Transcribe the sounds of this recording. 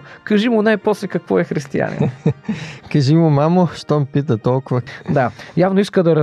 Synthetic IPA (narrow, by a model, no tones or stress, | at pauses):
kɐʒimʊnajpɔslɛkɐkvɔɛxɾist̪ia̰nʲḭn | kɐʒimʊmamoʃt̪ɔmpit̪̬ət̪ɔlˠkʊvəd̪ajavnoiskəd̪ɐɾɐ